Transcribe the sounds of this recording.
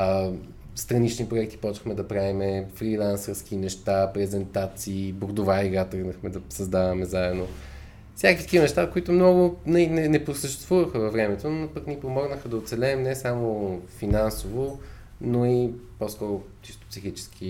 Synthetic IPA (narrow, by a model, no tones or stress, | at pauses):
st̪ɾɐnit͡ʃnipɾoʊɛk̚t̪i̥pɔt͡ʃə̥xmɛd̪ɐpɾavimɛfɾilˠansəɾskinɛʃt̪apɾɛzɛnt̪at̪siːbʊɾd̪ʊvaiɡat̪əɡnəxmɛd̪ɐsɐzd̪avɐmɛzaɛd̪no | fsʲakit̪ək̟ivənɛʃt̪akoit̪ʊmnɔɡʊnɐinɛnɛpɾosəʃt̪ɛst̪vuvəxəvɐvɾɛmɛt̪onopəknipomɔɡnəxəd̪ɐot̪sɛlɛːmnɛsamofinansovo | noiposkɔɾʊ | t͡ʃist̪ʊ̥psixit͡ʃɛ̥skʰi